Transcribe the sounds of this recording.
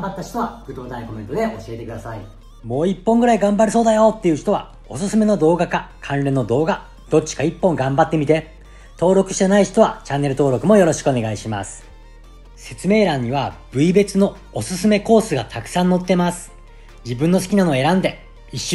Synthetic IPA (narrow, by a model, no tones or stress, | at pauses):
bat̪ːaɕo̥t̪o̞βakɯt̪o̞ːt̪ãĩko̞mẽ̞nt̪od̪e̞ʔo̞ɕie̞t̪e̞kɯ̟d̪asai | mo̞ːipːõ̞ŋɡɯ̟ɾaiɡãmbaɾɯ̟so̞ːd̪ajo̞t̪ːe̞jɯ̟çi̥t̪o̞βa̰ | o̞sɨsɨme̞no̞d̪o̞ːɡakakʰãnɾẽ̞nːo̞d̪o̞ːɡa | d̪̥o̞t͡ɕːi̥kaipːõ̞ŋɡãmbat̪ːe̞mʲit̪e̞ | t̪o̞ːɾo̞kɯ̟ɕi̥t̪enaiç̥t̪o̞β̞at͡ɕãnːe̞ɾɯ̟t̪o̞ːɾo̞kɯ̟mo̞jo̞ɾo̞ɕi̥kɯo̞ne̞ɡaiɕima̰sɨ̥ | se̞t͡sɨme̞ːɾãɲ̟ːiβab̥ɯ̟ibe̞t͡sɨno̞ | osɨsɨme̞ko̞ːsɨɡat̪ʰakɯ̟̥sãnːo̞t̪ːe̞masɨ̥ | d͡ʑibɯ̟̃nːo̞sɨ̥kʲinano̞e̞ɾãnd̪e̞ | iɕː